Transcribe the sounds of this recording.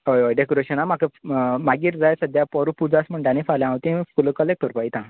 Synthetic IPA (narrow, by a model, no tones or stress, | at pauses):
ɦojʋojɖekɔɾeɕənamakʰəmaɡiːɾd͡zajsəd̪ʱjapɔɾupud͡zasm̤əɳɖanĩfaljãɦot̪ĩfuləkəlek̚ʈəɾpait̪ã